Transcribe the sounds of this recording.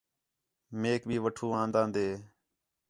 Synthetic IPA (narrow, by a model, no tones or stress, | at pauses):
meːk̚bʱiːʋəʈʰuːãːnd̪ãːnd̪eː